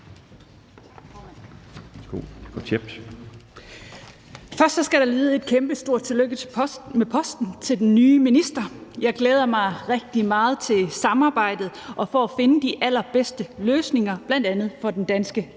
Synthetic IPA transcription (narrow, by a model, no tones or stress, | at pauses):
ɡ̥o̰̥ɒt͡sʰeb̥s | fɶɐsd̥sɒ̽sɡ̥æɾɑ̈liːð̞̩ˠe̝d̥̚kʰemb̥əsd̥o̝ɐ̰̥t͡sʰe̝løɡ̥əmepʰɒ̽sd̥n̩t͡sʰe̝ld̥enːyːminisd̥ɐjɑ̈ɪɡ̥leːð̞ˠɐmɑ̈ɪʁɛɡ̥̚d̥imɑ̈ːð̞̩ˠt͡sʰe̝lsɑ̈mɑ̈ːb̥ɑ̈ɪ̰d̥ð̩ˠʔɒ̽fɒæfe̝nəd̥iʔæl̰ɐb̥esd̥əløːsne̝ŋɐb̥læn̰d̥ænð̞̩ˠfɒ̽d̥end̥ænsɡ̥ə